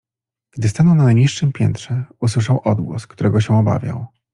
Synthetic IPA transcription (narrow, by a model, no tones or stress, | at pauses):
ɡ̥d̪ɘst̪anɔw̃nanɲiʂːɘmpʲjɛnt̪ʂɛuswɘʂawʔɔd̪ɡwɔ̰skt̪uɾʔɛɡɔɕɛɔba̰vʲja̰w̃